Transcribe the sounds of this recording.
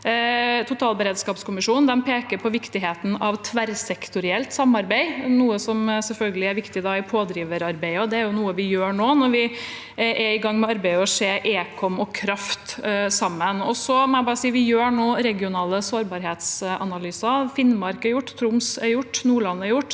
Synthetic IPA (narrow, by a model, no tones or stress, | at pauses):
t̪ʰʊt̪ʰɑːlbəɾeːd̪skɑːpskʰʊmɪʂuːnnd̪ɛnpʰeːkəɾpʰɔʋɪkt̪ɪɦeːt̪n̩ɑʋt̪ʰːʋæɾsɛkt̪ʊɾɪɛlt̪sɑmːɑɾbæɪnuːəsɔmsɛlfœlɡəlɪæɾʋɪkt̪ɪd̪ɑːɪpʰoːd̪ɾiːʋəɾɑɾbæɪəɔd̪ɛæɾjʊnuːəʋɪjøːɳoːnɔɾʋɪ | ʔæɪɡɑŋːmɛɑɾbæɪəɔseːʔeːkʰɔmɔkʰɾɑft̪sɑmːənɔsɔmɛæɪbɑːɾəsiːʋɪjøːɳoːɾɛɡɪʊnɑːləsoːɾbɑːɾɦeːt̪sʔɑnɑlyːsɑfɪnmɑɾkæɾjʊʈːt̪ʰɾʊmsæɾjʊʈːnuːɭɑnːəæɾjʊʈː